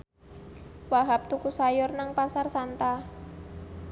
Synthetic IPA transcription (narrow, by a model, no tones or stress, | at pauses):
waɦap̚t̪ukusajʊrnaŋpasarsant̪a